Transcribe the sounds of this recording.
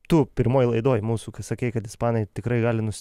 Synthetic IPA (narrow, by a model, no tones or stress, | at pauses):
t̪ʊpʲɪɾmoːjlˠɐɪd̪oːjmuːsuːkɐsɐkʲɛɪkɐt̪ɪspɑːnɐɪt̪ʲɪkɾɐɪɡɑːlʲɪnʊsʲ